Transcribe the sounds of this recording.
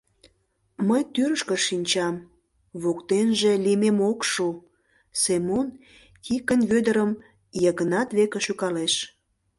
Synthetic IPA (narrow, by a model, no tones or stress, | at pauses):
məjt̪yrʃkə̆ʃinʲt͡ɕɑm | βokt̪enʒelimemokʃu | semon | kʰikənβød̪əɾəm | jəɣənɑt̪βekeʃykɑleʃ